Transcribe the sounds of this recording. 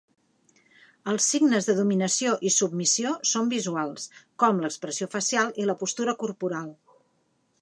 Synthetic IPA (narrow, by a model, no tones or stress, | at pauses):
əlˠsːiɡnəzðəðuminəsioʔisub̚misiosombizualˠskɔmləkspɾəsiofəsialˠiləpust̪uɾəkurpuɾalˠ